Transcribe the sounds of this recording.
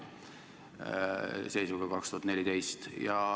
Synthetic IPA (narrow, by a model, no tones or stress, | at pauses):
se̞jsuɡ̥ɑkɑkst̪uɑt̪ne̞lit̪e̞jst̪jɑ